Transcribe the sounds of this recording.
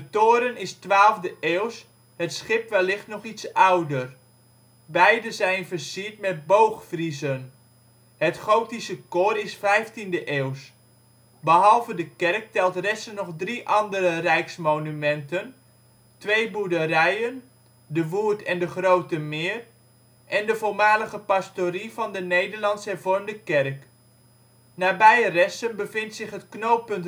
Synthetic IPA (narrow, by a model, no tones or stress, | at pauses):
dətoːəɾənɪstʋaːlˠvdəʔeːws | hətsχɪpʋɛlːɪxtnɔχitsawdər | bɛjdəzɛjnvərsiət̚mɛt̚bowxfrizən | hətχowtisəkorɪsfɛjftindəʔeːws | bəɦɑlˠvədəkɛrk̚tɛlˠtrɛsənɔχdriʔɑndərərɛjksmownymɛntən | tʋejbudəɾɛjən | dəʋuːtɛndəχrowtəmɪːr | ʔɛndəvolmaːləχəpɑstoɾivɑndənejdəɹlɑntsɛrvʊɹndəkɛrk | naːbɛjərɛsənbəvɪntsɪχɦətknowpɵnt